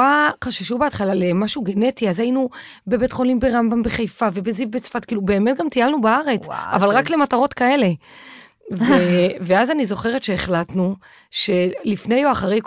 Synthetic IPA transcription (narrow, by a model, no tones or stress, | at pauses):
aχaʃaʃubeatχalalemaʃuɡe̞ne̞tiazajinu | be̞betχo̞limbe̞ʁambambeχejfave̞bezivbet͡sfat̚kiːlube̞ːmet̚ɡamt̪ijalnubaaʁe̞t͡sa̰valʁakle̞mataʁo̞tkae̞le̞ | veveazanizo̞χe̞ʁetʃeːχlatnu | ʃe̞lifne̞joaχaʁe̞jk